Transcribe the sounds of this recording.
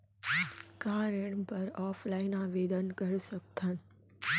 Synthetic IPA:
kaɾeɳpəɾɔːfʰlainaʋed̪ənkəɾusək̚t̪ʰən

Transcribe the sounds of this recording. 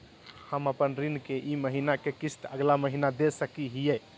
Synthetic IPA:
həməpənɾinkeʔiməɦinakekisʈ̪əɡlaməɦinad̪esəkiɦijɛ

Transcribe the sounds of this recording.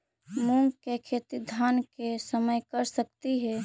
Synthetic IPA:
muŋɡkekʰet̪id̪ʱankesəməjkəɾsəkt̪iɦɛ

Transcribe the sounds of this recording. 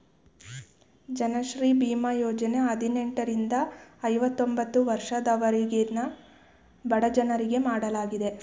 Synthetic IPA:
d͡ʒɐnɐʃɾiːbiːmɐjoːd͡ʒɐne̞ɐd̪ʱineɳʈɐɾind̪ɐɐjʋɐt̪ːo̞mbɐt̪ːuʋɐɾʂɐd̪ɐʋɐɾiɡenɐ | bɐɽɐd͡ʒɐnɐɾiɡe̞maːɽɐlaːɡid̪e̞

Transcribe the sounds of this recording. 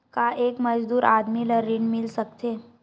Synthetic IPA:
kaʔeːkməd͡ʒd̪uːɾa̰ːd̪miləɾiɳmɪlsək̚t̪eː

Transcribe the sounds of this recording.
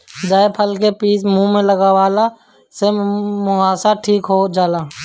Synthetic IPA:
d͡ʒaːepʰəlkepiːsmũmẽləɡawaːla | semʊaːsaʈʰiːkɦod͡ʒaːlaː

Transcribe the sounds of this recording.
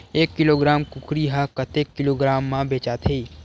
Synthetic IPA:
eːkːɪloːɡɾaːmkʊkʰɾiɦakɐt̪eːkːɪloːɡɾaːmːãbeːt͡ʃaːt̪ʰeː

